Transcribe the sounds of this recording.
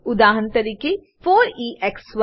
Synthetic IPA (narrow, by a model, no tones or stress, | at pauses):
ʊd̪aːɦənt̪ɐɾiːke | foːɾiːʔɛksw